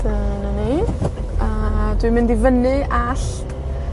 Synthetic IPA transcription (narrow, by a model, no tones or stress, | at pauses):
ənənejd | adwimɪndivənɨʔaɬ